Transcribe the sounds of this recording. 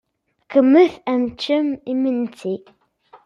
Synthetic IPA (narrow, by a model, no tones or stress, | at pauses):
kəmːəθæmt͡ʃːəmimənt͡sʰi